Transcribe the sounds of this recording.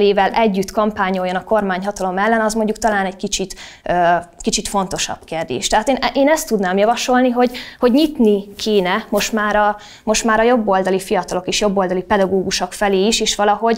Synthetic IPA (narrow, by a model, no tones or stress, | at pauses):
leːvɛlʔɛɟːyt̪kɒmpaːɲːo̞jːonɒko̞rmaːɲɦɒt̪ɒlo̞mɛlːɛnɒzmo̞ɲɟuk̚t̪ɒlaːnɛɟkit͡ʃit̪ | øːkit͡ʃit̪fo̞nt̪o̞ʃɒ̰b̥keːrd̪ḛːʃt̪ɛɦaːt̪eːnʔeːnɛst̪ːud̪naːmjɒvɒʃo̞lniɦo̞ɟho̞ɟɲit̪nikʰeːnɛmo̞ʃt̪maːɾɒ | mo̞ʃt̪maːɾɒjo̞bːo̞ld̪ɒlifijɒt̪ɒlo̞keːʃjo̞bːo̞ld̪ɒlipɛd̪ɒɡoːɡuʃokfɛleːiʃeːʃʋɒlɒɦo̞ɟ